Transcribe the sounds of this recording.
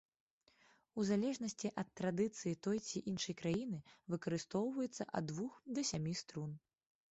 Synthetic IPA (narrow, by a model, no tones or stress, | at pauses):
uzalʲɛʐnɐsʲt͡sʲiʔɐt̪ːɾad̪ɨt̪sɨjit̪ɔjt͡sʲiʔinʂɐjkɾajinɨvɨkɐɾɨst̪ɔwvɐjɛt̪sːɐʔɐ̰d̪ːvuxd̪ɐsʲamʲist̪ɾun